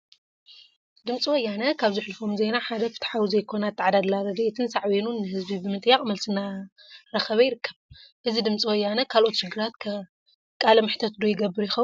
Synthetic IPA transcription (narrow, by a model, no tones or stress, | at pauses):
d̪ɨmt͡sʼiwɔjːanɐkʰaβzɨħlɨfo̞mzejnaħad̪ɐfɨ̥t̪ħawzɐjkʰo̞nat̪ʰːaʕad̪ad̪laɾɐd̪ɐʔet̪ʰɨnsaʕβenunːɨhɨzbibɨmɨt̪ʼjaχʼmɐlsɨnaɾɐxɐβɐjɪɾɨkːɐβʔɨzid̪ɨmt͡sʼiwɐjːanɐkʰalʔo̞t̪ʃɨɡɨɾat̪kʰɐ | kʼalɐmɨħt̪ʰɐt̪d̪ojɪɡɐbːɨɾujɪxɐβu